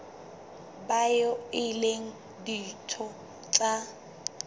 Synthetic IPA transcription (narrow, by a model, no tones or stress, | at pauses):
bajɔɪleŋ̩ | ditʰɔ | t͡ɬʼa